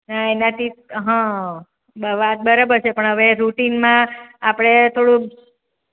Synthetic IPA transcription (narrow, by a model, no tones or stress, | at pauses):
naenat̪ʰiɦə̃ | bəʋat̪̚bəɾabəɾt͡ʃʰepəɳɦəʋeɾuʈinmãːpɽ̃et̪ʰoɽũ